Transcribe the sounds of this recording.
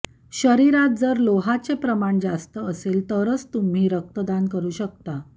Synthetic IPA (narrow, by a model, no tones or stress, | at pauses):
ɕəɾiɾat̪̚d͡zəɾloɦat͡sepɾəmaɳd͡zast̪əːselt̪əɾət͡st̪um̤iːɾək̚t̪əd̪ankəɾuːɕəkt̪a